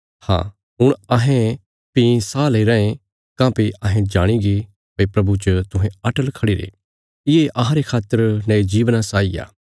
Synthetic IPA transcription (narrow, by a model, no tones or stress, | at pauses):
hã̰ː | ɦʊɽ̃ɐɦẽ | pisaːlɐiɾɐẽ | kãːpiɐɦẽd͡ʒaːɽ̃iɡi | pepɾɐbut͡ʃət̪ʊɦẽɐʈəlkʰɐɽiɾḛː | ɪeʔɐɦãɾekʰaːt̪ːəɾnɐed͡ʒiːʋnasaːija̰ː